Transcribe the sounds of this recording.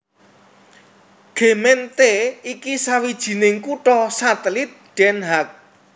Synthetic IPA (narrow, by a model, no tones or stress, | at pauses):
ɡ̥e̤mɛnt̪eikisawid̥ʒ̥i̤nɪŋkuʈɔsat̪əlit̪̚ɖ̥ɛnɦak̚